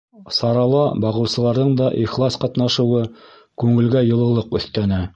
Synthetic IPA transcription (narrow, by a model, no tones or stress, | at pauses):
sɑɾɑlˠɑbɑʁɤ̆wsɤ̆lˠɑɾðɤɴd̪ɑʔiχlˠɑsqɑt̪nɑʃɤ̆wɤ | kʉŋɘ̆lɡæjɤ̆lˠɤ̆lˠɤqɵ̆θt̪ænæ